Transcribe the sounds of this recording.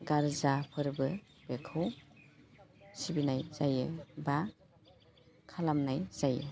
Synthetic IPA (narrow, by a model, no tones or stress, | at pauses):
ɡaɾzapʰɯɾbɯ | b̥ekʰɯw | sibinajzajɯba | kʰalamnajz̥ajḛ